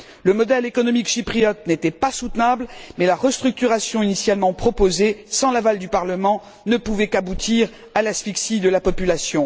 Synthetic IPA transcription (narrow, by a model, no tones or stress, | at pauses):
ləmɔd̪ɛlekɔnɔmikʃipχijɔt̪̚net̪ɛpasut̪nablmɛlaʁəst̪χyk̚t̪yʁasjɔ̃inisjalmɑ̃pχɔpozesɑ̃lavald̪ypaʁləmɑ̃ | nəpuvɛkabut̪iʁ | alasfiksid̪əlapɔpylasjɔ̃